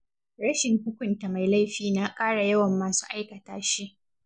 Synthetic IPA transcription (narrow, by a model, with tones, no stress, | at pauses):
ɽɐ˦ʃɪ˨ŋkʊ˦kʷʊ˨nta˨ma˨jla˦jɸiː˦na˦kʼaː˦ɽa˨jɐ˦wɐ˨mːaː˨su̥ː˦ʔa˦jkɐ˨taː˨ʃi˦ʔ